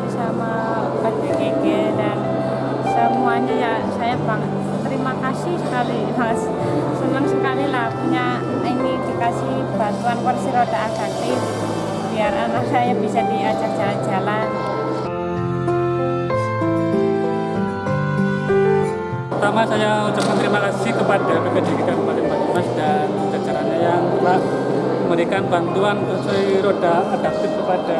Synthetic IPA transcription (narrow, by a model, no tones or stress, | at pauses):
bisama | badaɡeɡɪdan | səmuaɲaja | sajabaŋət̪̚ːəɾimakasisəkali | mas | sənaŋsəkalilahpuɲa | inidikasih | b̥ant̪uankansiɾodaːd̥ak̚i | biaɾanaksajabisadiad͡ʒard͡ʒaland͡ʒalan | pərt̪amasajaut͡ʃap̚kant̪əɾimakasɪhkəpadakəkadikik̪ankəpalambat̪unasdanad͡ʒḁd͡ʒaɾaɲajaŋlah | məɾikanbant̪uansəsɔiɾodaad̥ak̚t̪ɪfkəpada